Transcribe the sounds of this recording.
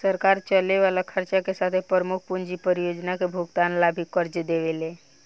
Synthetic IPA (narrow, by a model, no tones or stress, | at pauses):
səɾkaɾt͡ʃəleʋalakʰəɾt͡ʃakesat̪ʰepɾəɾəmuk̚ʰpund͡ʒipəɾijod͡ʒnakebʱuɡt̪anlabʱikəɾd͡ʒd̪eʋele